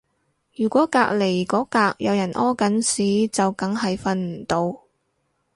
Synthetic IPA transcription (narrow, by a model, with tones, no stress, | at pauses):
jyː˨˩kʷɔː˨˥kaː˧k̚le˨˩jkɔː˨˥kaː˧k̚jɐ˨˧wjɐ˨˩nʔɔː˥kɐ˨˥nsiː˨˥t͡sɐ˨wkɐ˨˥ŋɦɐ˨jfɐ˧nm̩˨˩t̪o˧w